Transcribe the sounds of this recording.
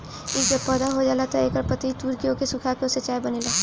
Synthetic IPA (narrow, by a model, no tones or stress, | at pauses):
iːd͡ʒɐbpɛːd̪aɦod͡ʒaːlat̪oeːkəɾpət̪it̪uːɾkiokesʊkʰakeʊset͡ʃaːjbɐnela